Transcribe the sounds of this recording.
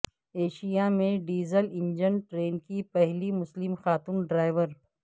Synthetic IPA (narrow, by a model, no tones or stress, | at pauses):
eːʃijamẽɖiːzəlɪ̃ɲd͡ʒənʈɾeːnkipɛɦlimʊslɪmxaːt̪uːnɖɾaːɪʋəɾ